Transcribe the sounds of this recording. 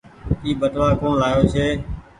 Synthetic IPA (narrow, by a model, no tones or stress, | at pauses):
iːbəʈlaːkoːnlaːjoːt͡ʃʰeː